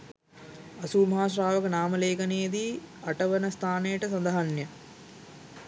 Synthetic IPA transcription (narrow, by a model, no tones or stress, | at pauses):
ɐsuːmɐɦaːʃ̬ɾaːʋəkənaːməleːkɐnejed̪iːɐʈəʋənəst̪ʰaːnejəʈəsɐnd̪ɐɦanjə